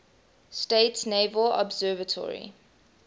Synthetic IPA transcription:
steɪtsnevəlɔ̰bzɜːvətʰɔ̰ɹḭ

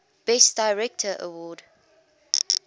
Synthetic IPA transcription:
b̥ɛsd̥aɪɹɛk̚tʰəʔə̰wɔːd

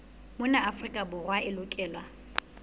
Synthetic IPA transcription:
mʊnaːfrikʼabʊrwaɪlʊkʼɛːlwa

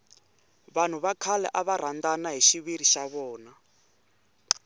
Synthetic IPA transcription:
βan̤uβakʰalɛ̰ʔaβar̤andanaɦiʃiβiɾiʃaβɔːna

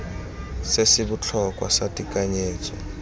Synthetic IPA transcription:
sesɪbʊt͡ɬʰɔkʼwa̰satʼikʼaɲeːt͡sʼɔ

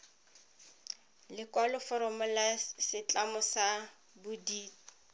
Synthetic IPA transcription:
lɪkwalɔfɔɾɔmɔlasɪt͡ɬʼamɔsa | bʊdiː

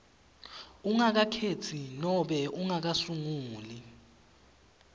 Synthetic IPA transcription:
uŋak̬akʰet͡sʰinɔɓɛuŋak̬asuŋuːli

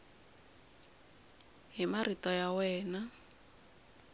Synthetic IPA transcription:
ɦimaritɔjawɛːna

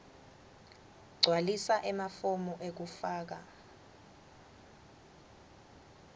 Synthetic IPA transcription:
ɡ͡ǀʱwalisaʔɛmafomɔʔek̬ufaːk̬a

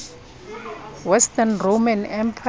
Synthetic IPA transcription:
wɛstʰanromanɛmpʰ

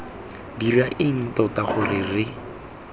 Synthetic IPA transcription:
diraʔɪn̩tɔtaχʊrɪrɪ

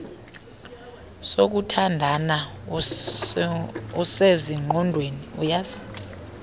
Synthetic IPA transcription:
sok̬utʰandʱana | useziŋ͡ǃʱɔndʱweniujazi̥

